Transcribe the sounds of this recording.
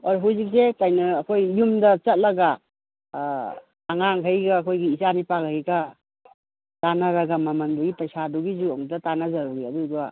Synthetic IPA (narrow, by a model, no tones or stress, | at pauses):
aɾɔɦuzik̚sekajnɐːkʰojːumdɐt͡ʃɐt̚lɐɡa | ŋaŋɦejɡaːkʰojɡiːzanipakhəjɡa | tanaɾɐɡamɐmɐnduɡitɐjsaduɡizuɔŋdɐtanazɐɾuɾiɐduɡa